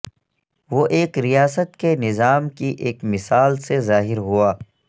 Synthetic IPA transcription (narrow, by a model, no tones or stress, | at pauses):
ʋoʔeːkɾijaːsət̪kenɪzaːmkiʔeːkmɪsaːlsezaːɦɪɾɦuaː